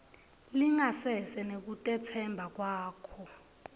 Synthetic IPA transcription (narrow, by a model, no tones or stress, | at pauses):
liŋasɛsɛnek̬utʼɛt͡sʰɛmbʱak̬waːkʰɔ